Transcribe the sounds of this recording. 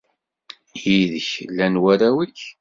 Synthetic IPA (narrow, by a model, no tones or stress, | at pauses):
jiðəçlːænwæɾæwiç